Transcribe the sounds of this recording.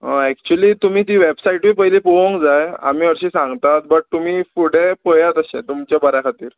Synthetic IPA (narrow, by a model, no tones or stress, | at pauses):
ɦəɛk̚t͡ɕuəliːt̪um̤iːt̪iʋebsaiʈʋipəɦilepoʋə̃ŋkd͡zaja̰miːəɾɕisãŋɡt̪at̪̚bəʈ̚t̪umiːfuɽepəjat̪əɕḛ̃t̪umt͡ɕjabəɾakʰat̪iːɾ